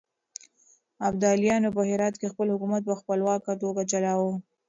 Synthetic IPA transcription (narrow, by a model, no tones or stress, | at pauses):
abd̪ɑljɑnopəhɪɾɑt̪kexpəlhʊkumat̪̚pəxpəlwɑkat̪oɡat͡ʃalɑwo